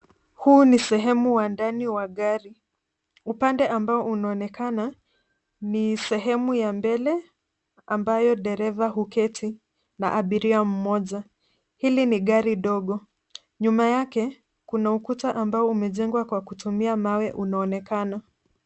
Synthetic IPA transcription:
huːnisɛɦɛmuwandaniwaɠaɾi | upandɛʔambaɔʔunaɔnɛkana | nisɛɦɛmujambɛlɛ | ambajɔɗɛɾɛvaɦukɛtʰi | na̰ʔaɓiɾiam̩mɔʄa | hiliniɠaɾiɗɔɠɔ | ɲumajakɛ | kunaukutaʔambaɔumɛʄɛŋɡwakwakutumiamawɛʔunaɔnɛkana

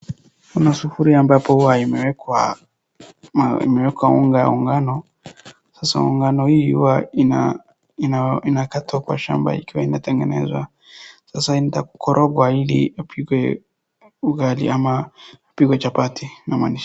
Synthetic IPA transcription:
kunasufuɾiambapɔhuwaimɛwɛkwa | ḭmɛwɛkwauŋɡauŋɡanɔ | sasa̰ṵŋɡanɔhihṵwa | inakatakwa̰ʃa̰mba̰ikiwainatɛŋɡɛnɛ̰zwa̰ | sasaintaku̥kʰɔɾʔɔɡwailḭapʰiɡwɛ | uɡalḭʔamaapiɡwɛt͡ʃapatinamwaniʃḁ

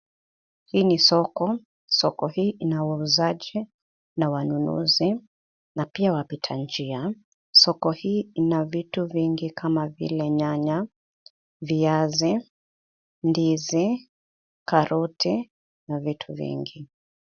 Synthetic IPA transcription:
hiːnisɔkɔ | sɔkɔhiːʔinawauzaʄi | nawanunṵzi | napiawapitʰand͡ʒia | sɔkɔhiːinavituviŋɡikʰamavḭlɛɲaɲa | viazi | ndizi | kaɾuti | navitʰuvḭŋɡi

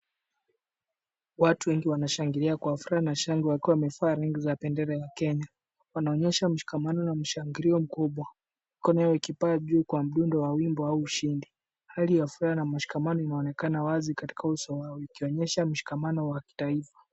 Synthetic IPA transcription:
watuwɛŋɡiwanaʃaŋɡiɾiakwafuɾahanaʃaŋɡiwakiwamɛfaːɾaŋɡizapɛndɛɾɛjakɛɲa | wanaɔɲɛʃam̩ʃi̥kamanɔnam̩ʃaŋɡiɾiɔm̩kuɓwa | mikɔnɔjajɔikipaːʄuːkwam̩ɗundɔwawimbɔauːʃindi | halijafuɾanamaʃi̥kamanɔinaɔnɛkanawazikati̥kʰausɔwaɔikiɔɲɛʃam̩ʃi̥kamanɔwaki̥taifḁ

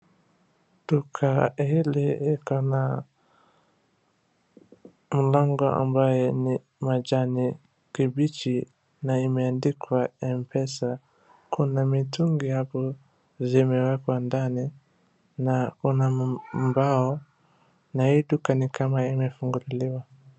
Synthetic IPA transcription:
dukʰahiliikɔna | m̩lɔŋɡɔʔa̰mbajɛni | mad͡ʒani | kibit͡ʃi | naimɛandikʰwaɛmpʰɛsa | kʰunamituŋɡihapɔ | zimɛwakwandani | nakunambaɔ | nahiːɗukanikamaimɛfuŋɡuliliwa

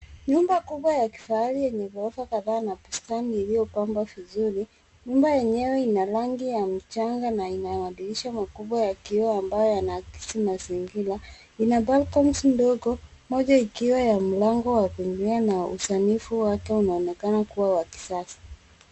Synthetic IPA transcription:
ɲumbakuɓwajaki̥faalijɛɲɛvɔɾɔfakaðaːnapustaniːlijɔpambwavizuɾi | ɲumbajɛɲɛwɛinalaŋɡijam̩t͡ʃaŋɡanainawaɗiliʃamakuɓwajakiɔambajɔjanaki̥simaziŋɡila | inabalkɔnsndɔɡɔmɔʄaikiwajam̩laŋɡɔwakuiŋɡlianaṵsanifuwakɛunaɔnɛkanakuwawaki̥sasḁ

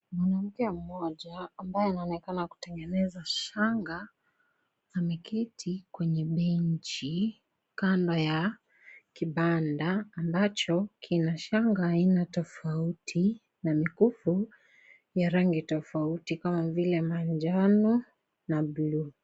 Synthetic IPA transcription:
manam̩kɛam̩mɔʄaːmbajɛanaɔnɛkanaku̥tɛŋɡɛnɛzaʃaŋɡa | zamikʰɛtʰikwɛɲɛɓɛɲ̩t͡ʃi | kandaja | kiɓandaːmbat͡ʃɔkʰinaʃaŋɡaainatɔfautʰi | namikufu | jaɾaŋɡitɔfautikamavilɛmaɲd͡ʒanu | nablu

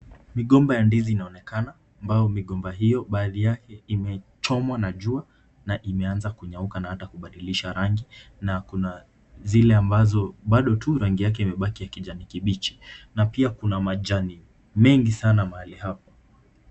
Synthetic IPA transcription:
miɠɔmbajandiziːnaɔnɛkanaːmbajɔmiɠɔmbaɦijɔɓaːðijakʰɛimɛt͡ʃɔmwanaʄua | naʔimɛanzakuɲaukanahatakuɓaɗiliʃaɾaŋɡinakuna | zilɛambazɔɓaɗɔtuɾaŋɡijak̬ɛimɛɓakiakiʄanikiɓit͡ʃi̥napiakunamaʄani | mɛŋɡisanamahalihapa

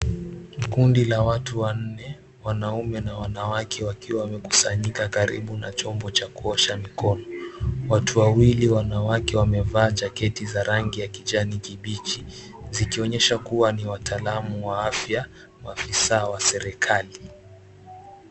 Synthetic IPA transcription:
kundilawatuwan̩nɛ | wanaumɛnawanawakʰɛwakiwawamɛku̥saɲikakaɾḭɓunat͡ʃɔmbɔt͡ʃakuɔʃamikɔnɔwatuwawiliwanawakɛwamɛvaːd͡ʒakɛtizaɾaŋɡijakid͡ʒanikiɓit͡ʃi | zikiɔɲɛʃakuwaniwatʰaːlamuwaafja | waːfisaːwasɛɾɛkʰali

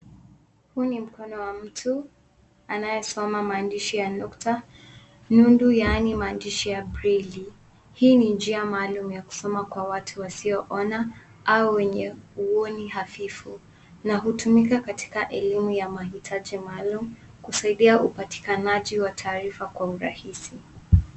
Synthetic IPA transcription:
huːnim̩kɔnɔwam̩tʰu | anajɛsɔmamaːndiʃijanɔkta | nundujanimaːndiʃijabɾili | hiːnind͡ʒiamaːlumujaku̥sɔmakwawatʰuwasiɔʔɔna | ʔauwɛɲɛuɔniɦafifu | naɦutumikakatʰi̥kaʔɛlimujamahitʰaʄimaːlumu | kusaiɗiaʔupati̥kanaʄiwatʰaːɾifakwauɾa̰hisi

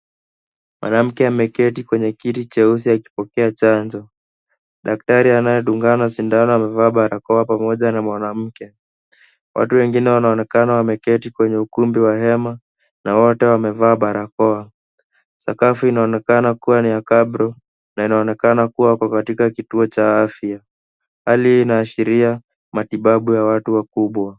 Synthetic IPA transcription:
mwʔa̰nam̩kɛamɛkɛtikwɛɲɛkitit͡ʃɛus̬iaki̥pɔkɛat͡ʃaɲd͡ʒɔ | ɗak̚taɾianajɛɗuŋɡanaʃindanɔwamɛvaːɓaɾakɔapamɔʄanamwanam̩kɛ | wʔa̰tuwɛŋɡinɛwanaɔnɛkanawamɛkɛtikwɛɲɛukumbiwahɛma | nawɔtɛwamɛvaːɓaɾakɔa | sa̰kafuinaɔnɛkanakuwaniakaɓɾɔ | nainaɔnɛkanakuwakwakatikakituɔt͡ʃaafia | haliːnaːʃiɾia | matiɓaɓujawatuwakuɓwa

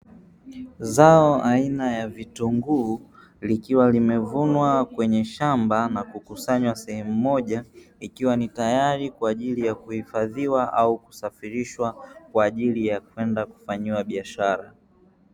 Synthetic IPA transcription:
zaɔʔainajavituŋɡu | likiwalimɛvunwakwɛɲɛʃambanakukusaɲwasɛhɛmumɔʄaikiwanitajaɾikwaːʄilijakuhifaðiwaʔauku̥safiɾiʃwakwaːʄilijakwɛndaku̥faɲiwaɓiaʃaɾa

